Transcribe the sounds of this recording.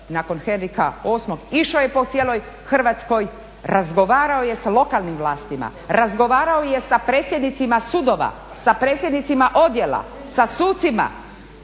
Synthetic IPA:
naːkonxenɾikaoːsmoɡiʃojepo̞t̪sjeːloj | xr̩ʋaːt̪sko̞j | ɾazɡo̞ʋaːɾaoje̞salˠo̞kalˠnimʋlˠaːst̪ima̰ | ɾazɡo̞ʋaːɾaoje̞sapɾeːt̪sjed̪nit̪simasud̪oʋa̰ | sapɾeːt̪sjed̪nit̪simaʔo̞d̪jela̰ | sasuːt̪sima̰

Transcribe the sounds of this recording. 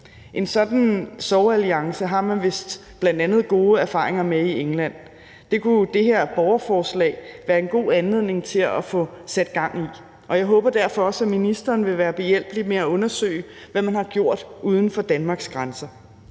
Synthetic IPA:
ʔe̝nsɒ̽d̥n̩sɒʊæliɑ̈ŋsəɦɑ̈mænʋe̝sd̥b̥lænd̥ænð̞̩ˠɡ̥o̝ːəæɐfɑ̈ːʁeŋɐmeieŋlæn̰ | d̥e̝kʰud̥e̝ɦe̝ɐ̰b̥ɒʊɐfɒːslɛ̰ːɪʋæːɐe̝nɡ̥o̝̰ːænle̝ð̞̰ˠne̝ŋt͡sʰe̝læfɔ̽sæd̥ɡ̥ɑ̈ŋ̰i | ʔɒ̽jɑ̈ɪɦɔ̽ːb̥ɐd̥æɐfɒ̽ɒ̽sæminisd̥ɐːnʋe̝ʋæːɐb̥e̝jel̰b̥limeæɔ̽nɐsø̰ɪʋæmænhɑ̈ɡ̥jo̝ɐ̰d̥ʔuːð̞ˠn̩fɒ̽d̥ænmɑ̈ːɡ̥sɡ̥ʁansɐ

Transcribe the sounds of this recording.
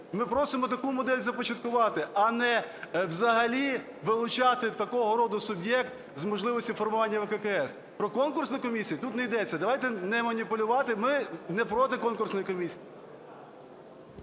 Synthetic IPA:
mɪpɾɔsɪmɔt̪ɐkumɔd̪ɛlʲzɐpɔt͡ʃɐt̪kʊʋɑt̪ɪɐnɛwzɐɦɐlʲi | ʋɪlˠʊt͡ʃɑt̪ɪt̪ɐkɔɦɔɾɔd̪ʊsʊbjɛk̚t̪ | zmɔʒlˠɪʋɔsʲtʲifɔrmʊʋɑnʲːɐʋɛkɛkɛɛs | pɾɔkɔnkʊrsnɔjkɔmʲisʲijit̪ut̪nɛjd̪ɛt͡sʲːɐd̪ɐʋɑjt̪ɛnɛmɐnʲipʊlʲʊʋɑt̪ɪmɪnɛpɾɔt̪ɪkɔnkʊrsnɔjikɔmʲisʲiji

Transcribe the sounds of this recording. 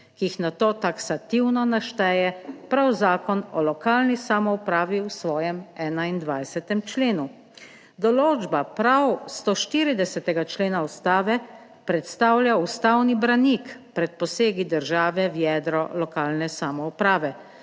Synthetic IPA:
kiixnat̪oːt̪aksat̪iwnɔnaʃt̪ɛːjɛpɾawzaːkɔnɔlɔkaːlnisamɔupɾaːʋiwsʋɔːjɛmɛːnaind̪ʋajsɛt̪ɛmt͡ʃleːnu | d̪ɔloːd͡ʒbapɾawst̪oʃt̪iːɾid̪ɛsɛt̪ɛɡat͡ʃleːnaust̪aːʋɛ | pɾɛt̪st̪aːwljaust̪awnibɾanikpɾɛt̪̚pɔseːɡid̪əɾʒaːʋɛwjɛd̪ɾɔlɔkaːlnɛsamɔupɾaːʋɛ

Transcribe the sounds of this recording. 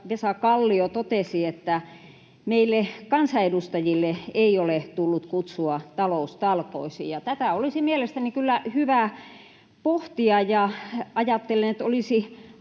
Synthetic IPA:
ʋesɑkɑlːiot̪ot̪esiet̪ːæ | meilːekɑnsɑedust̪ɑjilːeeiolet̪ulːut̪kut̪suɑt̪ɑloust̪ɑlko̰isḭjɑt̪æt̪æˑolisimielest̪ænikylːæhyʋæ | poht̪iɑjɑɑjɑt̪ːelːenet̪olisi

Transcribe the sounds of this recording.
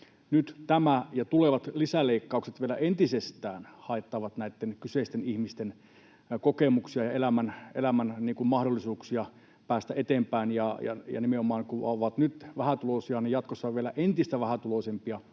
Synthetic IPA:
nyt̪t̪æmæjɑt̪uleʋɑt̪lisæleikːɑukset̪ʋielæʔent̪isest̪æːnhɑet̪ːɑʋɑt̪næit̪ːenkyseist̪enihmist̪en | kokemuksiɑjɑelæmænelæmænniːŋkummɑhdolːisuːksiɑ | pæːst̪æʔet̪eːmpæinjɑjɑ̰jɑ̰nimeomɑːŋkuoʋɑt̪nyt̪ʋæhæt̪ulosiɑniːjɑt̪kosːɑʋielæʔent̪ist̪æʋæhæt̪ulosempiɑ

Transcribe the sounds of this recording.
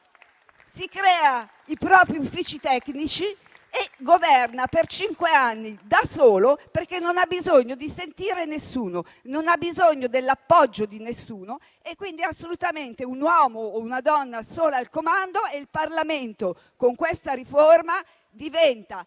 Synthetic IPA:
sikɾɛːa | ipɾɔːpɾiufːit͡ʃit̪ɛknit͡ʃi | eɡovɛrnapert͡ʃiŋkweanːid̪asoːloperk̟enːonabːizoɲːod̪isent̪iːɾenesːuːno | nonabːizoɲːod̪elːapːɔd͡ʒːod̪inesːuːno | ekːwind̪iasːolut̪ament̪eunwɔmoːunad̪ɔnːasoːlaːlkomand̪oeilparlament̪o | koŋkwest̪aɾiforma | d̪ivɛnt̪a

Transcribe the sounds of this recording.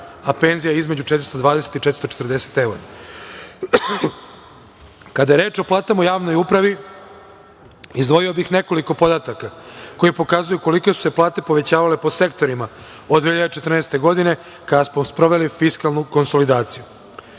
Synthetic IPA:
ape̞ːnzijaizmed͡ʑut͡ʃet̪ɾist̪od̪ʋaːd̪eset̪it͡ʃet̪ɾist̪ot͡ʃet̪ɾd̪e̞se̥t̪e̞uɾa̰ | kad̪ajeɾeːt͡ʃo̞plˠaːt̪amojaːʋno̞jupɾaʋi | izd̪ʋo̞jio̞bixne̞ko̞liko̞po̞d̪at̪akako̞jepo̞kaːzujuko̞likesu̥se̞plˠaːt̪e̞po̞ʋe̞t͡ɕaːʋalepose̞kt̪o̞ɾima | od̪ːehiʎad̪et͡ʃe̞t̪ɾr̩nɛːst̪e̞ɡo̞d̪ine̞ | kad̪asmospɾo̞ʋe̞lifiskalˠnuko̞nso̞lid̪aːt̪siju

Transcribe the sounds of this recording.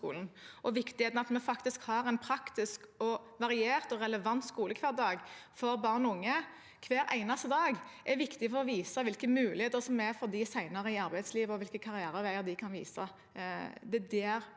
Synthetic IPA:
ṵːln̩ʔɔʋɪkt̪ɪheːt̪nɑt̪mɛfɑkt̪ɪskhɑɾæɪnpʰɾɑkt̪ɪskɔʋɑɾɪeːʁt̪ɔʁɛləʋɑnt̪skuːləkʰʋæːɾd̪ɑːɡfɔɾbɑʁnɔʊŋːə | kʰʋæːɾʔæ̰ɪnɑst̪əd̪ɑːɡʔɛʋɪkt̪ɪfɔɾɔʋiːsəʋɪlkəmʉːlɪheːt̪əɾsɔmːɛæfɔɾd̪ɪsæɪnɑʁəɪɑɾbæɪd̪sliːʋɔʋɪlkəkʰɑɾɪæːɾɑʋæɪəɾd̪ɪkʰɑnʋḭːsə | d̪ɛd̪ɛæɾ

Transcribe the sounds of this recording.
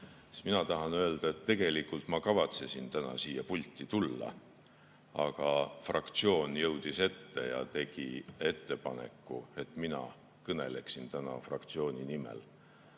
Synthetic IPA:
minɑt̪ɑɦɑnøeld̪̥ɑe̞t̪ːe̞ɡ̥e̞likːult̪ˑmɑkɑvɑt̪se̞sint̪ænɑ̰siːjɑpulʲt̪ˑːit̪ulːɑ̰ | ɑɡ̥ɑfrɑkt̪sio̞ːnjɤwd̪̥ise̞t̪ːe̞jɑ̰t̪e̞ɡ̥ie̞t̪ːe̞pɑne̞̰kːˑue̞t̪ˑminɑ̰ | kɤne̞̰le̞ksint̪ænɑ̰frɑ̰kt̪sio̞ːnʲinimḛl

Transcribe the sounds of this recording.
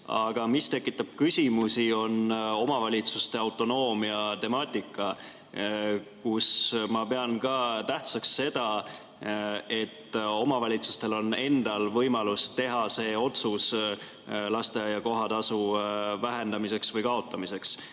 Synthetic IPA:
ɑɡ̥ɑmist̪e̞kːˑit̪ːˑɑb̥̚kysʲimusio̞no̞mɑvɑlʲit̪sust̪e̞ɑwt̪ˑo̞no̞ːmiɑt̪e̞mɑːt̪ʲˑikˑːɑ | kusmɑpe̞ɑnkɑːt̪æht̪sɑksːe̞d̪̥ɑ | e̞t̪ːo̞mɑvɑlʲit̪su̥st̪e̞lo̞ne̞nd̪̥ɑlvɤjmɑlust̪e̞ɦɑse̞ːo̞t̪sus | lɑst̪ejɑko̞ɦɑt̪ɑsuvæɦe̞nd̪ɑmis̬e̞ksvɤjkɑo̞t̪ːˑɑmise̞ks

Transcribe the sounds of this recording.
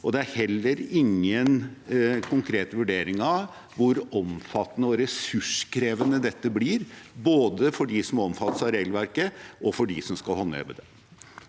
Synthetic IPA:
ɔd̪ɛæɾhɛlːəɾɪŋːənkʰʊŋkʰɾeːt̪ʋʉɖeːɾɪŋɑʋ | ʋʊɾɔmfɑt̪ːənəɔɾɛsʉʂkʰɾeːʋənəd̪ɛt̪ːəbliɾboːd̪əfɔɖisɔmɔmfɑt̪ːəsɑɾeːɡl̩ʋæɾkəʔɔfɔɖɪsɔmskɑlhɔnːəɛ̰bəd̪ɛ

